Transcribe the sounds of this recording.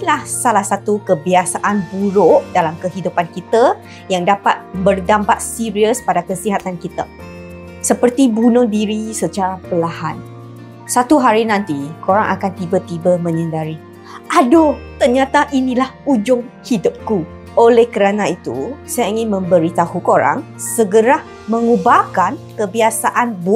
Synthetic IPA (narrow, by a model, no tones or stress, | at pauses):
ilahsalahsat̪ukəbiasaʔanbuɾʊʔdalamkəɦidupankit̪a | jaŋdapat̪̚bərdampat̪̚siɾiəspadakəsiɦat̪ankit̪a | səpərt̪ibunʊdiɾisət͡ʃaɾapəlaɦan | sat̪uɦaɾinãnt̪ikoɾaŋʔa̰kant̪ibat̪ibəmə̃ɲə̃ndaɾi | ʔadot̪ərɲãt̪aʔinĩlahud͡ʒʊŋhidʊp̚ku | ʔolɛhkəɾanãit̪ṵsajaiŋɪnmə̃mbəɾit̪ahukoɾa̰ŋ | səɡəɾah | mə̃ŋubakankəbiasaʔanb